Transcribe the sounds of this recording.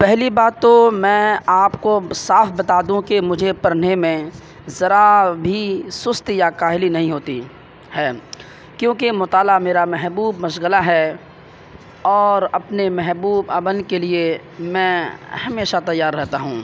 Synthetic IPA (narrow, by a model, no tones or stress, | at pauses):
pɛɦlibaːt̪ːomɛ̃aːpkosaːfʰbɐt̪aːd̪ũkimʊd͡ʒʱepɐɾnemẽ | zɐɾabʱisʊst̪jakaːɦɪlinɐɦĩɦoːt̪i | hɛː | kjõːkemʊt̪aːlameːɾamɛɦbuːbmɐʃɣəlaɦɛ | ɔːɾɐpnemɛɦbuːbəbənkelie | mɛ̃hɐmeːʃat̪ɐjːaːɾːɛɦt̪aɦṵ̃ː